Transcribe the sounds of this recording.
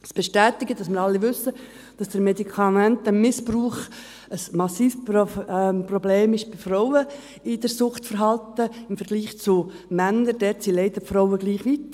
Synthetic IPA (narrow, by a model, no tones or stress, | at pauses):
sb̥ɛʃtæːt̪ɪɡətd̥ɑsməɾɑlːiʋʏsːə | d̥ɑsd̥əɾmedikʰɑmæntəmɪspruːχ | əsmɑsiːf | prɔbleːmɪʃb̥ɪfrɔwə | ɪd̥əɾsʊχtfəɾɦɑltəɪmfəɾɡliːχt͡sʊ | mænəɾd̥ɛtsileɪdəfɾoʊəɡliːχʋit